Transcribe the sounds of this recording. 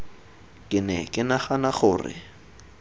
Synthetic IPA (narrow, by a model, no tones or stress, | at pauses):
kʼɪnɛ̰kʼɪnaχanaχʊːrɪ̰